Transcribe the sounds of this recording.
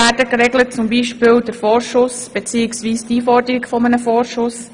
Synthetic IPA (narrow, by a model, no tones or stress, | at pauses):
æɾdəkɾɛɡlət̚t͡sʊmbiːʃpɪːld̥əɾfɔːɾʃʊsb̥et͡siːɪksʋiːstiːfɔɾdəɾikfɔmənəfɔːʃʊs